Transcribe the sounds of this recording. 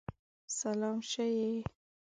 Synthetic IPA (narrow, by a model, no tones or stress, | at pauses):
salɑmʃəje